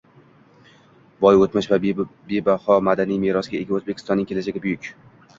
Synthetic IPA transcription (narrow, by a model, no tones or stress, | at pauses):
bɒjot̪mɪʃvabebahɒmad̪anijmeɾɒsɡʲaeɡʲaozbekʲʰɪ̥st̪ɒnːɪŋkʲʰelad͡ʒeɡʲabʊjʊkʲ